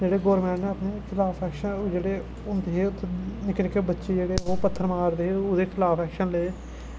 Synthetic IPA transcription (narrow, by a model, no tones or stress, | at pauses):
d͡ʒeːɽeːɡoːɾmɛ̃ːɳʈẽːəpneːkʰɪlaːpʰɛːkʃənd͡ʒeːɽeː | ʊnd̪eɦeːʊt̪ʰːnɪkɾekeːbətːʃeːd͡ʒeːɽeːɦoːpət̪ʰːəɾmaːɾd̪eːeʊd̪eːkʰɪlaːpʰɛːkʃənleː